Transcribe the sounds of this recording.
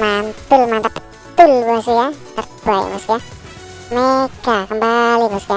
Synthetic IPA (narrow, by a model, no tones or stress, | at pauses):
mant̪ulmant̪ap | t̪ulbasijat̪abaj̰ba̰sija | mekakəmbalibasija